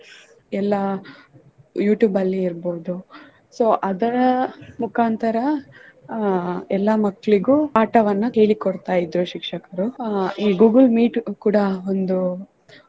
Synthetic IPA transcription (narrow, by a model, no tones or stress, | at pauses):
ɛlːɐ | juːʈjuːbɐlːiːɾbo̞ːd̪u | soːʔɐd̪ɐɾɐmukʰaːnt̪ɐɾɐ | ɛlːɐmɐkːɐɭiɡuːaːʈɐʋɐnːuke̞ːɭikoɽt̪aːjid̪ɾuʃikʂɐkɐɾuiːɡuːɡɐlmiːʈkuːɽɐond̪u